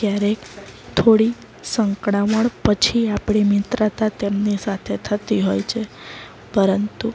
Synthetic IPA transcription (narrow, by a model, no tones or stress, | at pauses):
kjaɾekt̪ʰoɽi | səŋkɽaʋəɳpət͡ʃʰiapɽ̃imɪt̪ɾat̪at̪emnisat̪ʰet̪ʰət̪iɦojt͡ʃʰe | pəɾənt̪u